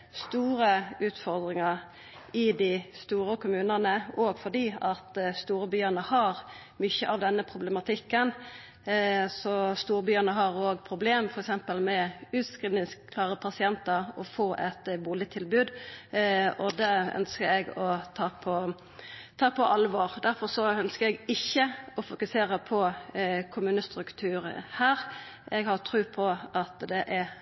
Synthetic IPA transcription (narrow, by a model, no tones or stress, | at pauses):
st̪uːɾəʉːt̪fɔʁd̪ʁɪŋɑɾ | ɪd̪ɪst̪uːɾəkʊmʉːnənəʔoːɡfɔd̪iːɑt̪st̪uːɾəbyːənəhɑʁ | mʏçəʔɑʋd̪ɛnːəpʰɾʊblɛmɑt̪ʰɪkːən | sɔst̪uːɾbyːənəɦɑʁoːɡpʰɾʊbleːmfɔɾɛksɛmpəlmɛʉːt̪skʁɪːnɪskʰːlɑːʁəpʰɑsɪɛnt̪əɾɔ̰foːʔɛt̪buːlɪt̪ʰɪlbʉːd̪ | ɔd̪ɛœ̰nskəɾɛɡɔt̪ʰɑːpʰɔ | t̪ʰɑːpʰɔʔɑlʋɔːɾd̪æɾfɔɾsɔœnskəɾɛɡɪçːəɔfʊkʉseːɾəpʰɔkʰʊmʉːnəst̪ɾʉkt̪ʰʉːɾhæːɾ | ɛɡhɑʁt̪ʰɾʉːpʰɔʔɑt̪d̪ɛʔɛɾ